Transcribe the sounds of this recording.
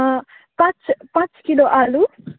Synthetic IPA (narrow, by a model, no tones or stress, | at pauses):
pãt͡ʃpãt͡ʃkiloʔalu